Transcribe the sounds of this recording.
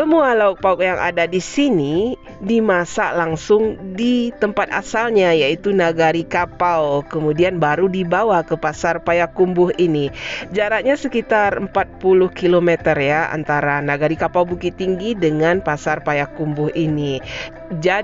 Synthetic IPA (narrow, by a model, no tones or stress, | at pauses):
səmualauk̚paʊkjaŋʔa̰dadisini | dimasalaŋsʊŋdit̪əmpat̪̚a̰salɲajait̪unaɡaɾikapawkəmudianbaɾudibawakəpasarpajakːumbʊɦinid͡ʒaɾat̪̚ɲasəkit̪arəmpat̪̚pulʊhkilomet̪ərjaa̰nt̪aɾanaɡaɾikapawbukit̪iŋɡidəŋanpasarpajakːumbʊhini | d͡ʒa